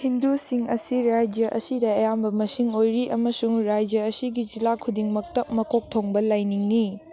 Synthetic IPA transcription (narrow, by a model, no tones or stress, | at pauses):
hindusiŋɐsiɾajd͡ʒjɐʔɐ̰sidɐɐjambɐmɐsiŋojɾiʔɐmɐsuŋɾajd͡ʒjɐɐsiɡid͡ʒilakʰudiŋmɐk̚tɐmɐkʰok̚tʰoŋbɐlajniŋni